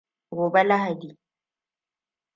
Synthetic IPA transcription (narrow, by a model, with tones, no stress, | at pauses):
ɡoː˨bɛ˦la˦ɦa˨diː˨